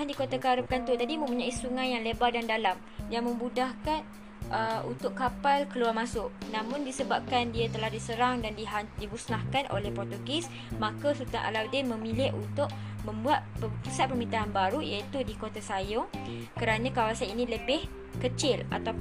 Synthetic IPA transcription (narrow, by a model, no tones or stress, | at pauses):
andikot̪akaɾəp̚kant̪ut̪adimə̃mpuɲaisuŋãjːaŋlebardandalam | jaŋmə̃mbudahkan | əunt̪ʊʔkapalkəluarmasʊʔnãmʊ̃ndisəbap̚kandiat̪əlahdisəɾaŋdandiɦadibuslahkanʔo̰lɛhpɔrt̪okɪs | makasut̪anʔa̰lawdɪnmə̃milɪʔunt̪ʊʔ̚ | mə̃mbuat̪̚ppusat̪̚pərmint̪aɦanbaɾujait̪udikot̪asajʊŋ | kəɾanãkawasaninĩləbɪh | kət͡ʃɪla̰t̪a